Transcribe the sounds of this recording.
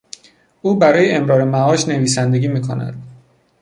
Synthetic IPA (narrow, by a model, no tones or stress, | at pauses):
ʔuːbæɾɒːjeemɾɒːɾe̞mæɒːʃne̞viːsænd̪e̞ɡiːmiːkʰo̞næ̰d̪̥